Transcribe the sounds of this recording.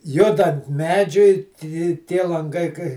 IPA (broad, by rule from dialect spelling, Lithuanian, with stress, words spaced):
ˈjʊdɐnt ˈmʲæːd͡ʒʲʊɪ tʲɪ ˈtʲiɛ lˠɐŋˈɡɐɪ kɐɪ